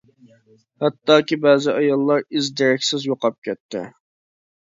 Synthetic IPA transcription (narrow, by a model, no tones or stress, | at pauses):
hɑt̪ːɑːkʲibɛːzɪʔɑjɑlˠːɑɾɪzd̪eɾɛkʲsɪzjoqɑp̚kʲʰɛt̪ʰːɪ̰